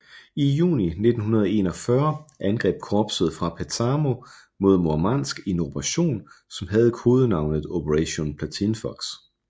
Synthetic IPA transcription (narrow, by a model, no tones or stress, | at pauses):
ijṵːnine̝d̥n̩ɦunɐð̞ˠe̝nɒ̽fɶɐʔænɡ̥ʁɛ̰ːb̥̚kʰɒːb̥səð̩ˠfʁɑ̈pʰæt͡sʰɑːmo̝ | mo̝ð̰ˠmoɐmɑn̰sɡ̥e̝nob̥ʰʁaɕo̝̰ːnsɒ̽mɦæð̞̩ˠkʰoːð̞ˠənɑ̈ʊ̰nəð̩ˠopʰəʁæɕo̝npʰlæt͡sʰinfɒɡ̥s